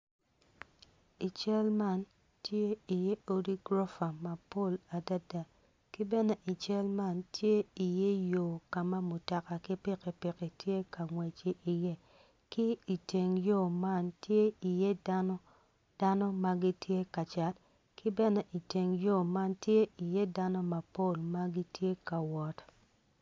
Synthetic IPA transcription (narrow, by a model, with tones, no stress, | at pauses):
i˨t͡ʃɛ˦lma˦˨n | tje˦i˨je˦o˦di˦ɡɾo˦fa˨ma˨po˦˨la˨da˦da˨ | kɪ˦bɛ˦nɛ˦ʔi˨t͡ʃɛ˦lma˦ntʰje˦i˨je˦jo˨ka˨ma˦mu˨ta˨ka˨kɪ˦pɪ˦ke˨pi˨ki˨tje˦ka˨ŋwɛ˨t͡ʃe˨ʔi˨je˦ | kɪ˦i˨te˨ŋjo˦˨ma˦ntje˦i˨je˦da˦nɔ˦ | d̥a˦nɔ˦ma˦ɡi˦tje˦ka˨t͡ʃa˨t | kɪ˦bɛ˦nɛ˦ʔi˨te˨ŋjo˦˨ma˦ntje˦i˨je˦da˦nɔ˦ma˨po˦˨lma˦ɡi˦tje˦ka˨wɔ˨t